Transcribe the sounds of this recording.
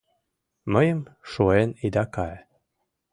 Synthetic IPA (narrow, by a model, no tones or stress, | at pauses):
məjəmʃoenid̪ɑkɑ